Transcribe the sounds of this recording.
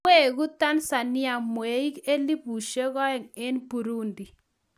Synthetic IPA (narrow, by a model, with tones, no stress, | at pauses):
e˦˨ɣu˦t̪a˦nsa˨nɪ˦a˨mwe˨˦i˦ke˦li˦pu˨ʃe˦ɣɔ˦ɛ˨ŋe˦nbu˨ɾu˦ndi˨